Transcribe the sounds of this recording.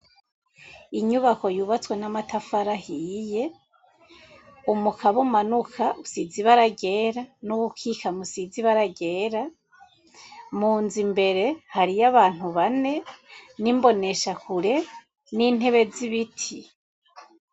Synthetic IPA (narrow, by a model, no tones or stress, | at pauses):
iɲuβako̞juːβat͡swe̞namatafaɾahije̞ | umukʰaβumanukʰaʔusiziβaɾaɡe̞ɾanuβukʰiːkamusiziβaɾaɡe̞ːɾa | muːnzimbe̞ɾe̞haɾijaβaːn̥uβane̞nimbo̞ne̞ʃakuɾe̞ | niːn̥he̞βe̞ziβitʰi